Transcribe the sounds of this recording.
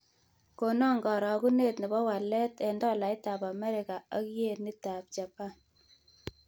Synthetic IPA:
ko˨nɔ˦ŋɡɔ˨ɾɔ˨ku˦ne˦˨tni˨bɔ˦wa˨lɛ˦tɛ˨ndɔ˦˨la˨ɪ˦ta˨pa˨mɛ˦ɾɪ˨ka˨a˦kje˦ni˦ta˨p̚t͡ʃa˨pa˦n

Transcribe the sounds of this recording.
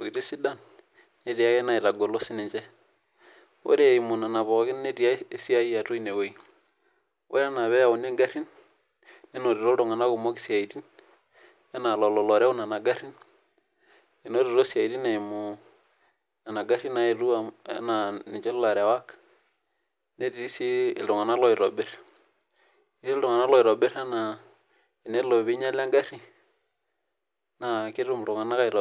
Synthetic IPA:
bo˨ɡi˨ti˦si˦da˦˨n | ne˦ti˨a˦ɛ˦na˨i˨ɾa˨ɡo˨lo˦si˦nɪ˨ɲt͡ʃɛ˦ | wo̰˦ɾe˦˨i˨mu˨na˨na˨βɔ˨kɪ˦ne˦ti˨a˦e˦si˦a˦i˦a˨to˦i˦ne˨wo˦i˦ | wʔo˦ɾɛ˦na˨βɛ˦a˨u˨ne˦ŋɡa˦ɾi˦n | e˦no˨ɾe˨ɾo˦ɾo˨ŋa˨na˦ku˨mo˦ki̥˨sja˨i˨ti˦n | ɛ˦na˨lɔ˨lɔ˨lɔ˨ɾɛ˦u˦na˨na˨ɡa˦ɾi˦n | e˨no˦ɾi˨ɾo˦sa˨i˨ti˦na˨mʊ˨ | na˨na˨ɡa˦ɾi˦na˨˦i˨ɾu˦a˨ɛ̰˦na˨nɪ˨t͡ʃɛ˦lla˨ɾɛ˨wa˦k | ne˦ti˨i˦si˦ɪ˨ldʊ˨ŋa˨na˦lɔ˦i˨ɾɔ˨bɪ˦ɾ | i˦si˦ldʊ˨ŋa˨na˦lɔ˦ɪ˨ɾɔ˨bɪ˦ɾa˦na˨ | ɪ˨ne˦lo˨βi˦ɲa˦la˦ŋɡa˦ɾi˦ | na˨kɪ˦ɾu˦m˨ɾʊ˨ŋa˨na˦ka˦ɪ˨ɾɔ˨

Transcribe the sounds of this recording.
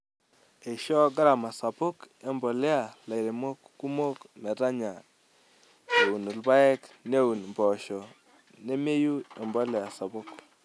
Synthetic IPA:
e˨ʃɔ˦ɡa˦ɾa˨ma˨sa˨po˦ke˨mbɔ˨le˦a˦˨la˨i˨ɾe˨mo˦kːu˦mo˦kmɛ˨ta˦ɲa˨ | e˨u˨nu˨lba˦ɛ˦kne˦wu˨n˨mbɔ˨ʃɔ˨ | ne˦me˦ju˦e˨mbɔ˦lɛ˨a˨sa˨bo˦k

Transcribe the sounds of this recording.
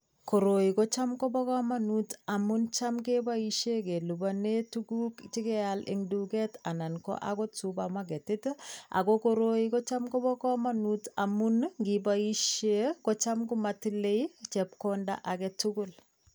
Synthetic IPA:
ko˨ɾo˨ikɔ˦t͡ʃa˦mkɔ˦bɔ˦ka˦manutamunt͡ʃa˦mke˦ba˦iʃe˦ke˨lubane˦tuɡu˦kt͡ʃi˦kɛ˦alɪ̰ŋdukɛta˨na˨nkɔ̰˦ʔa̰kɔ˦tsubamaɡ̬ɛ˨tɪta̰˨koko˦ɾo˦ikɔ˦t͡ʃa˦mkɔ˦bɔ˦kɔ˦manutamunŋɡibai˦ʃe˦ko˦t͡ʃa˦mkumatile˦it͡ʃɛp̚konda̰˦ʔa˨kɛtuɡʊl

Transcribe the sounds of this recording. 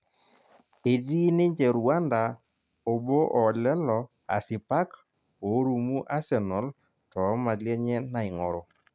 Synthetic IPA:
e˨di˦nɪ˦ɲd͡ʒɛ˨ɾu˨a˦nda˨ | o˨bo˦ʔɔ˨lɛ˦lɔ˨ | a̰˨sɪ˨pa˦k | o˨˦ɾu˨mu˦ʔa˦sɛ˨nɔ˨˦l | tɔ˨˦ma˨ljɛ˦ɲɛ˦na˨ɪ˨ŋɔ˨ɾɔ˨

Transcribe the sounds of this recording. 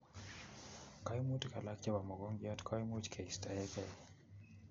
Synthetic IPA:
ka˦jmu˦tka˨la˦kt͡ʃa˦ba˨mɔ˨ɡɔ˦ŋɡɪ˦a˦tkʰa˦jmu˦t͡ʃkʰe˨i˨sta˨jɛ˦kɛ˦˨

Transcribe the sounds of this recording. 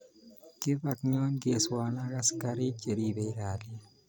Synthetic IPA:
kɪ˦ba˨kɲɔ˦ɲɡe˨swana˦ɡa˦ska˦ɾɪ˦t͡ʃe˨ɾi˦be˨i˦ɾa˨d

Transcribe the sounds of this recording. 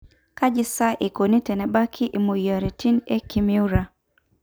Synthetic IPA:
ka˦d͡ʒɪ˦sa˦ʔe˨ko˨ni˦tɛ˨nɛ˨ba˦kʰi˦ʔi˨mo˨ja˨ɾi˨ti˦ne˦ki˨mi˦u˦ɾa˨

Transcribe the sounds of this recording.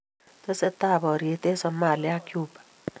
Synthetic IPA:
te˦se˦t̪a˦˨bɔ˨ɾje˨t̪e˦sɔ˨ma˨lɪa˦kju˦˨bḁ˨

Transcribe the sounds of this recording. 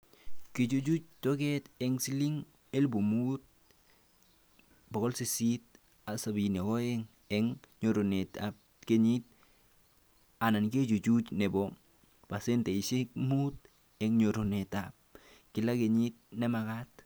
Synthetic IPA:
ke˨t͡ʃu˦d͡ʒu˦t͡ʃ̚to˦ke˦teŋsi˦li˦ŋ | e˦lbu˨mut̚ | bo˨ɣɔ˦lsisit̚ | a˨sa˨bin˨o˨ko˦e˦ŋ | eŋɲo˨ɾonetap̚ | keɲit̚ | a˨na˨nke˦t͡ʃu˨t͡ʃu˦t͡ʃne˨bɔ | pa˨se˦nte˨isi˦k̚mut̚ | ɛŋɲo˨ɾo˨netap̚ | kɪ˨la˦ke˨ɲit̚ne˦makat̚

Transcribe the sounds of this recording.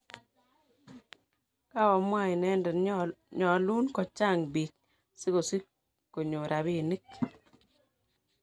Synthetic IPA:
ka˦wɔ˨mwa˦i˨nɛ˦ndɛ˨ɲɔ˨lu˦nkɔ˨t͡ʃa˦˨ŋbi˨k̚ | sɪ˦ko˨si˦ | ko˨ɲo˨ɾʔa˨bi˦˨ni˦k

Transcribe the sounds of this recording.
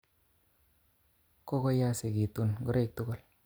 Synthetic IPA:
ko˦ko˦ja˦se˨ɡi˨t̪u˦˨nɡʊ˦ɾe˦˨k̚t̪u˦kʊ˦˨l

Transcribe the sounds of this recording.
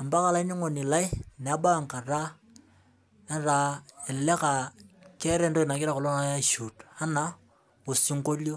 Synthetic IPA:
a˨mba˦ka˦la˦i˦ni˦ŋo˨ni˨la˦i˦n˨a˦ba˦˨ŋ˨ka˨ra˦ | na˨ɾa˨e˨lɛ˦ka˨kɛ˦ɾɛ˦ndo˦ɪ˨na˨kɪ˦ɾa˦kɔ˨lo˦na˦ʃu˨ta˦na˨ | o˨si˦ŋ̩˦ko˦ljo˦

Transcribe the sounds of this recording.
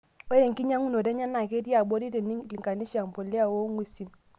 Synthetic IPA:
ɔ˦de˨ŋki˦ɲa˦ŋu˦no˨de˦ɲa˦nːa˨ke˦di˦a˨bo˦di˦de˨n˦˨li˨ŋka˨ni˦ʃa˨ŋ˨po˨lːi˦a˦˨wo˦ŋwi˨si˨n

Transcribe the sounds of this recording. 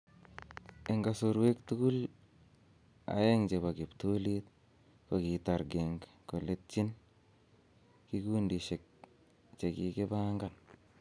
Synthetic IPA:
e˨ŋɡa˨so˧ɾwe˦ktu˦ku˦l | a̰˨je˦ŋt͡ʃe˨βa˨ki˨ptu˦lit̚ | ko˨ki˨ta˨ɾɡe˨ŋ | ko˨le˦t̚t͡ʃi˦n | ki˦kuː˦ndi˨ʃe˨k̚ | t͡ʃe˨ki˦ke˦ba˦ŋɡa˨n

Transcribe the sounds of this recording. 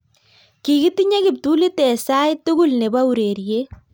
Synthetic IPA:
ki˨ki˦ti˦ɲe˦kɪ˨p̚tu˦li˦tɛ˨sa˦jtuɡʊlne˨ba˦u˨ɾe˨ɾje˦

